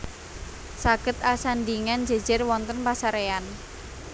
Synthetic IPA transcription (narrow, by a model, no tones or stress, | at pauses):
saɡ̥ə̤t̪asand̪iŋand͡ʒɛ̤̥d͡ʒɛrwɔnt̪ənpasaɾean